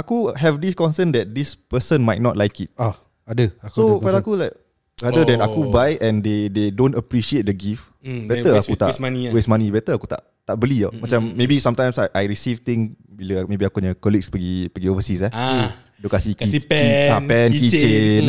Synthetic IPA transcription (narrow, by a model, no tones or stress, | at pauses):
akuɦɛvdiskɔ̃nsəndɛt̪̚dispəsə̃nmajt̚nɔt̚lajkit̪̚a | adəsofalakulajk̚ | ɾadədɛ̃nakubajɛ̃ndededõntəpɾiʃiet̪̚dəɡif | bɛt̪əakut̪a̰aniwesmãnibɛt̪əaku̥t̪a̰ʔt̪aʔ̚bəliəmãt͡ʃamːebisãmt̪ãj̃msajʔajɹisift̪ĩŋbiləmẽbiakuɲəkɔlik̚spəɡipəɡiovəsisɛ | dokasikiɛapɛnkit͡ʃt͡ʃen